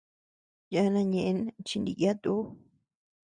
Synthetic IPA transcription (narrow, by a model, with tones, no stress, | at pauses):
ja˧˦˧nã˧ɲẽ˧ʔe˧˦nt͡ʃi˧nd̪ḭ˧ʔja˦t̪u˦